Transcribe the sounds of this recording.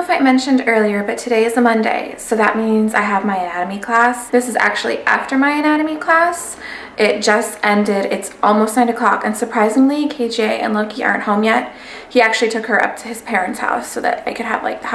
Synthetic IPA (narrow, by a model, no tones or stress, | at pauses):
faɪmɛ̃nʃɨ̃ndɜ˞lˠiə˞bʌtʰɨɾeɪɨzðəmʌ̃ndḛɪsoʊðɨt̚mĩnza̰ɪəvmaɪɨnæɾɨmikʰl̥æsðɪsɨzæ̰k̚t͡ʃʉl̩ˠḭʔæ̰ftə˞maɪɨnæɾɨmikʰl̥æs | ʔɪt̚d̥ʒ̥ʌstɛ̃ndɪɾɪtsʔɔlˠmoʊstnãɪ̃ñɨkʰl̥ɑkɨ̃nsə˞pʰɹ̥aɪzɪ̃ŋlikʰeɪd͡ʒeɪʔɨ̰̃nlʌkʰiɑ̰̃˞nʔ̚hõʊ̃mjɛt̚ | hiæk̚t͡ʃʉl̩ˠitʰʊkhə˞ʔʌ̰p̚tʰɨɨz̥pʰɛɹɨ̃ntsha̰ʊsoʊðɨ̰ɾa̰ɪkʰɨɾ̚ɨ̰v̥la̰ɪk̚